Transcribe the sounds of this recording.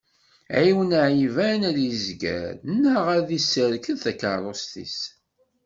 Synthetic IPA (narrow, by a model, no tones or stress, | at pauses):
æ̰jiwnəʕivænæɾjəzɡæ̰ɾənːəʁæðisəɾkəðθækəɾˤost̪ḭs